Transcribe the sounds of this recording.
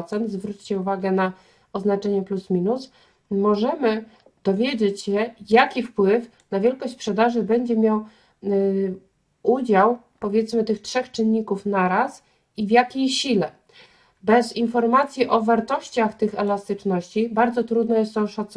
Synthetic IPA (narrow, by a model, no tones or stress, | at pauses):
t̪sɛnt̪zvɾut͡ɕɕɛuvaɡɛna | ɔznat͡ʂɛɲɛplusmʲinus | mɔʐɛmɘ | d̪̥ɔvʲjed͡ʑet͡ɕɕɛjakʲifpwɘf | navʲjɛlkɔɕt̪ʲspʂɛd̪aʐɘbɛɲd͡ʑɛmʲjaw | ud͡ʑaw | pɔvʲjɛt̪smɘt̪ɘxtʂɛxt͡ʂɘnːikufnaɾas | ivʲjakʲejɕilɛ | bɛzinfɔɾmat̪sʲjiʔɔvaɾt̪ɔɕt͡ɕaxt̪ɘxɛlast̪ɘt͡ʂnɔɕt͡ɕibaɾd̪zɔt̪ɾud̪nɔjɛst̪ɔʂat̪su